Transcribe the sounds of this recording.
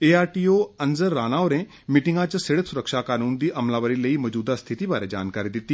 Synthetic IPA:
eːaːɾʈiːoːənzəɾːaːnaːoːɾẽː | miʈɪŋɡãːt͡ʃseɽət̪sʊɾəkʃaːkaːnuːnd̪iːʔəmlãːʋəɾiːləiːmɔd͡ʒuːd̪aːst̪ʰɪt̪iːbaːɾeːd͡ʒa̰ːnkaːɾiːd̪ɪt̪ːiː

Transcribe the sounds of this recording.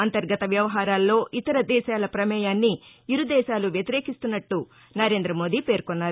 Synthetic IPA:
ɐnt̪ɐɾɡɐt̪ɐʋjɐʋɐɦaːɾaːlːo̞ːʔit̪ɐɾɐd̪ɛːʃaːlɐpɾɐmɛːjaːnːiiɾud̪ɛːʃaːluʋjɐt̪iɾe̞ːkist̪unːɐʈːu | nɐɾe̞ːnd̪ɾɐmo̞ːd̪ipe̞ːɾkɔnːaːɾu

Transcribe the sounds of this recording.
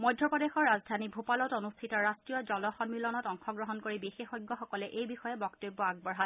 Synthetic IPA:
mɔjdʱːɔpɔdexɔɹːazdʱanibʱupalɔtonustʰitɔɹastɹijɔzɔlɔxɔmilɔnɔtɔŋxɔɡɹɔɦɔnkoɹibixexɔjɡːɔxɔkɔlɛʔejbixɔjɛbɔktobːɔaɡ̚bɔɹɦat

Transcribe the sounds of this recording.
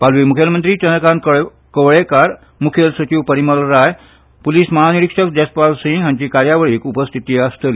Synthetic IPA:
palʋimukʰjəlmənt̪ɾiːt͡ɕənəkãnk | kəʋɭekaɾ | mukʰjəlsət͡ɕiʋpəɾiməlɾaj | puliːsmaɦaniɾikʂəkd͡ʑɛspalsiŋɡjãɲt͡ɕiːkaɾjaʋəɭiːkupəst̪ʰit̪iəst̪əl

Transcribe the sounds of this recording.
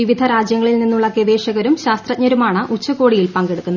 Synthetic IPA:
iʋid̪ʱɐɾaːd͡ʑjɐŋːɐɭilninːuɭːɐkeʋeːʂɐɣɐɾumɕaːst̪rɐt̚ɲɐɾumaːɳɨʔut͡ɕːɐko̞ːɽijilpɐŋɡe̞ɽukːunːɐ

